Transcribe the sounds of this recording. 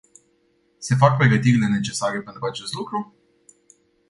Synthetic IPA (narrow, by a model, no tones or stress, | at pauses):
se̞fak̚pɾe̞ɡət̪irʲne̞ne̞t͡ʃe̞saɾepe̞nt̪ɾuat͡ʃe̞st̪lukɾu